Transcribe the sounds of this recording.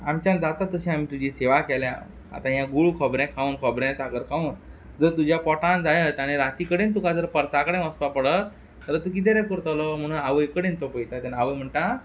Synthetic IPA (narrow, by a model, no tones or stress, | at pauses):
amt͡ɕãnd͡zat̪at̪ːəɕĩam̤iːt̪ud͡ʑiseʋakɛlɛ̃ | a̰t̪ãjãɡuɭukʰɔbɾɛ̃kʰaunkʰɔbɾɛ̃saɡəɾkʰauːn | d͡zəɾt̪ud͡ʑjapɔʈãnd͡zaɽeɦəjt̪aɽ̃niɾat̪ikəɽent̪ukad͡zəɾpəɾsakəɽẽəspapəɽət̪̚ː | əɾət̪uk̬it̪̬eɾɛ̃kəɾt̪ɔlɔm̤əɽ̃uːnaʋəjkəɽent̪ɔpəjt̪at̪anaʋəjm̤əɳʈa